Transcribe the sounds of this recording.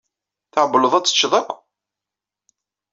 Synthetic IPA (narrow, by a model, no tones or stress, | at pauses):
θəʕbːələðˤæt͡sːə̥t͡ʃːðˤækʷː